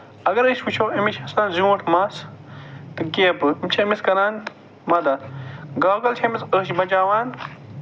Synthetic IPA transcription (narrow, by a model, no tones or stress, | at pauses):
ɐɡɐɾəʃwut͡ʃʰowɐmiʃʰɐsaːnziwɐʈʰmaːs | t̪ɨɡeːbɨimt͡ʃʰɐmiskɐɾaːnt̪ | mɐd̪ɐɡaːɡɐlt͡ʃʰɐmisəʃmɐd͡ʒaːwaːn